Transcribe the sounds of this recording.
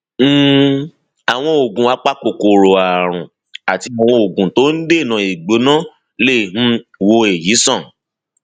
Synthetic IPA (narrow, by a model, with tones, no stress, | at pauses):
a˨w̃ɔ̃˧o˨ɡũ˨a˨˧˦k͡pa˦ko˨ko˨ɾo˨a˨ɾ̃ũ˨ | a˨ti˧a˨w̃ɔ̃˧o˨ɡũ˨to˨˦n̩˦de˦˨nã˧i˨ɡ͡bo˨˦nã˦ | le˦˨m̩̃˧wo˧e˨ji˨˦sɔ̃˦˨